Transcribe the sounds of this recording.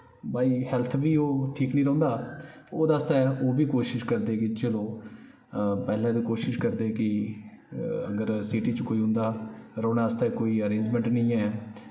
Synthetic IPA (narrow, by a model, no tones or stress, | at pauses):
baːiːhɛːlt̪ʰʋiːoːʈʰiːknĩːɾɔ̃ːnd̪aːoːd̪ast̪ɛːoːbiːkoːʃɪʃkəɾd̪eːkɪt͡ʃəloː | pɛːlãːd̪iːkoːʃɪʃkəɾd̪eːɛkɪ | ə̰ɡəɾsiːʈiːt͡ʃkoːiːɦʊ̃nd̪aːɾɔ̃ːnaːst̪akoːiːəɾẽːɲd͡ʒmɛ̃ɳʈnĩːɛː